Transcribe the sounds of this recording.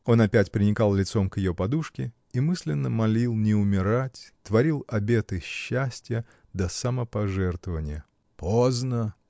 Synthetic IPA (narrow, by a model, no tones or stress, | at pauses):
o̞nɐpʲætʲpɾʲɪnʲɪkɑlˠlʲɪt̪so̞mkjɪjopɐd̪uʂkʲɪ | imɨsʲlʲɪnːəmɐlʲilˠnʲɪʊmʲɪɾatʲt̪vɐɾʲilˠɐbʲe̞t̪ɨɕːæsʲtʲjə | d̪əsəməpɐʐɛrt̪vəvənʲɪjə | pʰoznə